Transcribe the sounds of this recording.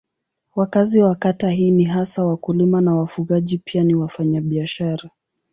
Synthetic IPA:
wakaziwakataɦiːniɦasawakulimanawafuɣaʄipianiwafaɲaɓiaʃaɾa

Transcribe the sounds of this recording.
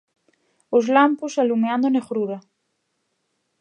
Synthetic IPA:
ozlamposalumeãnd̪oneɣɾuɾa

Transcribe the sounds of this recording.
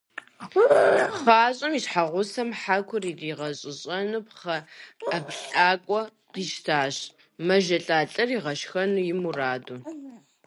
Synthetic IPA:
χaːɕʼɐmiɕħaʁʷʊsɐmħakʷʰʊririːʁɐɕʼɪɕʼɐnɨpχɐːpɬʼaːkʷʼɔ | d̥iʃtʰaːɕ | mɐʒɐɬʼaːɬʼɐriʁɐʃxɐnujɪmuraːdu

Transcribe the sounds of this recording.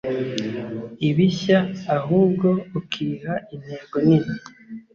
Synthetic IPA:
iβiçaːɦuːb̚ɡo̞ukʰihain̥heːŋɡonini

